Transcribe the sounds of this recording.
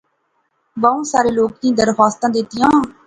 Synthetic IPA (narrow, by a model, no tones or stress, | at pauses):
ʋaːũːsaːɾeːloːk̚d̪ĩːd̪əɾxaːst̪ãːd̪et̪ɪjãː